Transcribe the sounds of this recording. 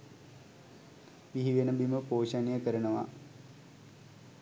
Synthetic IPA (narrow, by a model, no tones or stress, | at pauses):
ʋiɦiʋenɐbiməpoːɕanijəkəɾɐnɐʋa̰